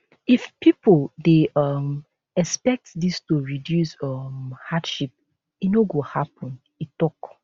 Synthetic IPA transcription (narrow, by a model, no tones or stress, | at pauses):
ifpipoldeʌm | ɛkspɛk̚tdistuɹidjusʌmhadʃip̚ | inoɡohapʰɔ̃n | itɔk